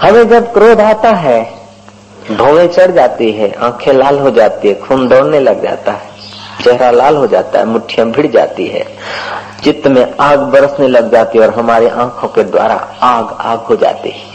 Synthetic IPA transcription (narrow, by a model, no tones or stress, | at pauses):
həmẽd͡ʒəbkɾoːd̪ʱaːt̪aɦɛ | bʱoʋẽt͡ʃəɽd͡ʒaːt̪iɦɛʔãːkʰẽlaːlɦod͡ʒaːt̪iɦɛkʰuːnd̪ɔːɽneləɡd͡ʒa̰ːt̪aɦɛ | t͡ʃɛɦɾalaːlɦod͡ʒaːt̪a̰ɦɛ̰mʊʈʰːijə̃bʱɪɽd͡ʒa̰ːt̪ḭɦɛ̰ː | t͡ʃɪt̪ːmẽaːɡbəɾəsneləɡd͡ʒaːt̪iɔːɾɦəmaːɾeʔãːkʰõked̪wa̰ːɾa̰aːɡa̰ːɡɦod͡ʒa̰ːt̪ḭɦɛ